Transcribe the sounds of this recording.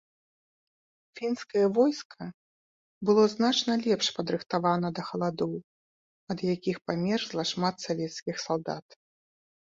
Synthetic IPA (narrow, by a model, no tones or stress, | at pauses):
fʲinskɐjɐvɔjskʰɐ | bɨlˠɔznat͡ʂnɐlʲɛpʂpɐd̪ɾɨxt̪avanɐd̪ɐxɐlˠad̪ɔw | ɐd̪jakʲixpamʲɛrzlˠɐʂmat̪savʲɛt̪skʲixsalˠd̪a̰t̪